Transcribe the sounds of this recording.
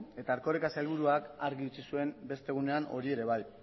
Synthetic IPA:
e̞t̪aːɾko̞ɾekaselβ̞uɾuakaɾɣiut͡sisue̞mbe̞st̪e̞ɣ̞une̞ano̞̰ɾie̞ɾe̞β̞aj

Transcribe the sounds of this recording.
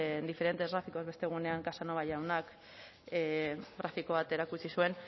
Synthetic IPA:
nd̪ife̞ɾe̞nt̪e̞zɣɾafiko̞zβe̞st̪e̞ɣ̞une̞aŋkasano̞βajawnak | ɣɾafiko̞β̞at̪e̞ɾakut͡ʃisue̞n

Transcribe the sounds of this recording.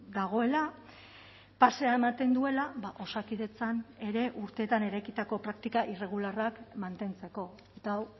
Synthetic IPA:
d̪aɣ̞o̞e̞la | pase̞ae̞mat̪e̞nd̪ue̞laβaʔo̞sakiðe̞t͡sane̞ɾe̞ʔuɾt̪e̞ːt̪ane̞ɾajkit̪ako̞pɾakt̪ikaʔire̞ɣ̞ularakmant̪e̞nt͡se̞ko̞ | et̪aw

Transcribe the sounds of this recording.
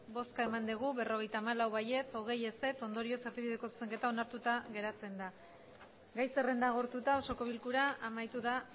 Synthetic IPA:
bo̞skae̞mand̪iɣ̞uβe̞ro̞ɣe̞jt̪aːmalawβaje̞t͡so̞ɣ̞e̞je̞se̞t͡so̞nd̪o̞ɾio̞seɾβiβiðeko̞t͡seŋke̞t̪ao̞naɾt̪ut̪aɣe̞ɾat͡se̞nd̪a | ɡajse̞re̞nd̪aɣ̞o̞ɾt̪ut̪aoso̞ko̞β̞ilkuɾaʔamajt̪uða

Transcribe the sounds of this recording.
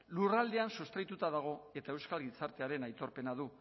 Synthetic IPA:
lurald̪e̞ansust̪ɾajt̪ut̪aðaɣ̞o̞e̞t̪ae̞wskalɡit͡saɾt̪e̞aɾe̞najt̪o̞ɾpe̞naðu

